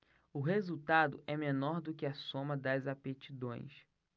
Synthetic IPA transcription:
ʊɦezuwt̪ad̪ʊʔɛmenɔɾd̪ʊkɪɐsõmɐd̪ɐzapet͡ʃid̪õj̃s

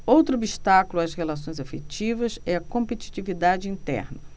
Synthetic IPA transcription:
owt̪ɾʊobiʃt̪akulʊashelas̬õj̃zafet͡ʃivɐzɛɐkõmpet͡ʃi̥t͡ʃivid̪ad͡ʒɪĩnt̪ɛ̰ɾnɐ

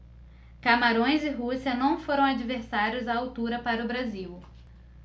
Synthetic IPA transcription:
kamaɾõj̃zɪɦusiɐnɐ̃w̃foɾɐ̃w̃ad͡ʒiveɾsaɾjʊzaawt̪uɾɐpaɾɐʊbɾaziw

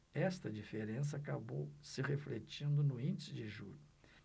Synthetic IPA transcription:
ɛst̪ɐd͡ʒifeɾẽs̬ɐakabowsɪʁeflet͡ʃĩnd̪ʊnʊĩnd͡ʒisɪd͡ʒɪʒuʎʊ

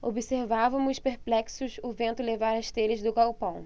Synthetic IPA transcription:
obiseɾvavɐmʊspeɾplɛksʊzʊvẽnt̪ʊlevaɾɐst̪elɪzd̪ʊkawpɐ̃w̃

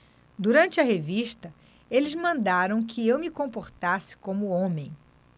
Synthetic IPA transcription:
d̪uɾɐ̃nt͡ʃɪɐɦeviʃt̪ɐ | elɪzmɐ̃nd̪aɾɐ̃w̃kʰɪewmɪkõmpoɾt̪asɪ̥kõmʊõmẽj̃

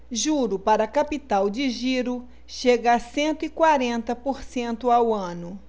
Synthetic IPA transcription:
ʒuɾʊpaɾɐkapit̪awd͡ʒɪʒiɾʊ | ʃeɡasẽnt̪ʊikwaɾẽnt̪ɐpoɾsẽnt̪ʊawɐ̃nʊ

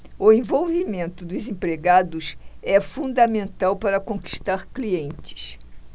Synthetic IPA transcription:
ʊẽvowvimẽnt̪ʊd̪ʊzẽpɾeɡad̪ʊsɛfũnd̪ɐmẽnt̪awpaɾɐkõki̥ʃt̪aɾkliẽnt͡ʃɪ̥s

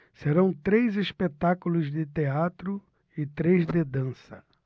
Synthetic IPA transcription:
seɾɐ̃w̃t̪ɾejzespet̪akulʊzd̪ɪt̪eat̪ɾʊ | ɪt̪ɾejzd̪ɪd̪ɐ̃sɐ̰

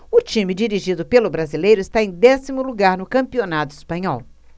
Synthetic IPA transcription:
ʊt͡ʃĩmɪd͡ʒiɾiʒid̪ʊpelʊbɾazilejɾʊɪst̪aẽj̃d̪ɛsimʊluɡaɾnʊkɐ̃mpionat̪ʊispɐ̃ɲɔw

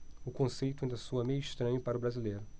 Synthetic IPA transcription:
ʊkõsejt̪ʊɐĩnd̪ɐsoɐmejʊiʃt̪ɾɐ̃ɲʊpaɾɐʊbɾazilejɾʊ

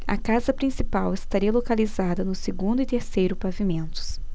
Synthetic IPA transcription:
ɐ̰kazɐpɾĩsipawɪst̪aɾiɐlokalizad̪ɐnʊseɡũnd̪ʊit̪eɾsejɾʊpavimẽnt̪ʊ̥s

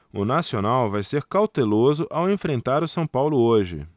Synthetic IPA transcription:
ʊnasionawvajseɾkawt̪elozʊʔawẽfɾẽnt̪aɾʊsɐ̃w̃pawlʊoʒɪ̰

